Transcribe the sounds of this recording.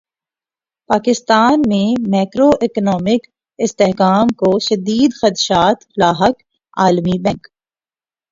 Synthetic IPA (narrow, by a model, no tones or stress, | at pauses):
paːkɪst̪aːnmẽmaːkɾoʔɪknɔːmɪk | ɪst̪eɦkaːmkoʃɐd̪iːd̪xɐt̪ʃaːt̪laːɦək | aːlmibɛ̃ŋk